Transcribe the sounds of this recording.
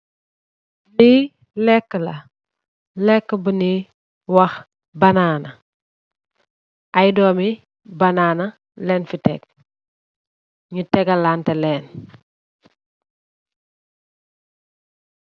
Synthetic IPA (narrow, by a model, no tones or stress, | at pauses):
li | lɛkːəlɐ | lɛkːəbəni | wɐx | bɐnaːnɐ | ʔɐjdɔːmi | bɐnaːnɐ | lɛːnfitɛ̰k̚ | ɲutɛɡɐlaːntɛlɛːn